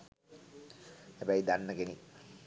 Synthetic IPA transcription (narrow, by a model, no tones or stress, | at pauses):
hebæjd̪anːəɡeni